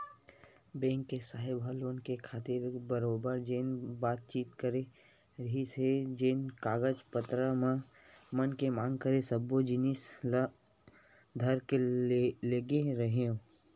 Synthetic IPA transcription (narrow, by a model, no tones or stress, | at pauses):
bẽːŋkːesaːɦɪbəloːnkekʰaːt̪ɪɾbəɾoːbəɾd͡ʒeːnbaːt̪̚t͡ʃiːt̪kəɾe | ɾɦised͡ʒeːnkaːɡəd͡ʒpət̪ɾəmã | mənkemaːŋɡ̚kəɾesəbod͡ʒɪnis | d̪ʱəɾkeleːɡeɾəɦeõ